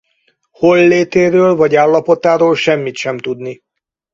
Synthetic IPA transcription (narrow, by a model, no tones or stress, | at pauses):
holːeːt̪eːɾøːlvɒɟaːlːɒpo̞t̪aːɾoːlʃɛmːit̪ʃɛmt̪ud̪ni